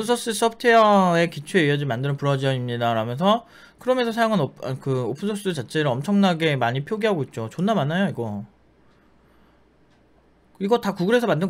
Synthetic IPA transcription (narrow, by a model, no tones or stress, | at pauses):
pʰɯnsʰos͈ɯs͈ʌpʰɯ̥tʰeʌe̞kit͡ɕʰweeiʌd͡ʑimandɯɾɯnpuɾʌd͡ʑiʌimɲidaɾamjʌnsʰʌ | kɯɾʌmjʌnsʰʌsʰajaŋanokɯopʰɯnsʰos͈ɯt͡ɕat͡ɕʰe̞ɾɯʌmt͡ɕʰʌŋnaɡe̞maɲipʰjoɡiɦaɡoit̚t͡ɕ͈ot͡ɕonːamanajoiɡʌ | iɡʌtakuɡɯɾɦe̞sʰʌmandɯ